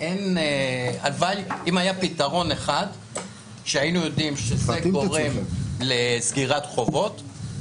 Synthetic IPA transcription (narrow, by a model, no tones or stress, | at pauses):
ʔenea̰lvalimhajapitaʁo̞neχad | ʃeainujo̞dimʃezeɡo̞ʁemlezɡiʁatχo̞vo̞t